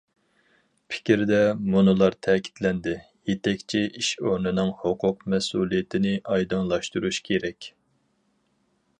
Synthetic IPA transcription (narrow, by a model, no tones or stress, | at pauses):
pʰɪ̥kʲɾd̪ɛmunɨlˠɑɾt̪ʰɛkʲʰi̥t̪lɛnd̪ɪ | jet̪ʰɛkʲt͡ʃʰiʔiʃonɨnɨŋhoqʰʊq̚mɛsulˠijɪt̪ʰɪnɪʔɑjd̪ɑŋlˠɑʃt̪uɾuʃkʲʰeɾɛkʲ